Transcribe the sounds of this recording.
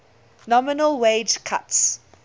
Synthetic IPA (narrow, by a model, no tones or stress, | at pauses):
nɔmɪnəlweːd͡ʒkʰa̰ts